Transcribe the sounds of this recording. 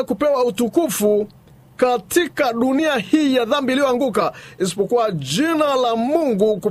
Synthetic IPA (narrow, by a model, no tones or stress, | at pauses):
kupɛwautukufu | katʰikaɗuniahiːjaðambiːlijɔaŋɡukaisi̥pɔkuwad͡ʒinalamuŋɡuku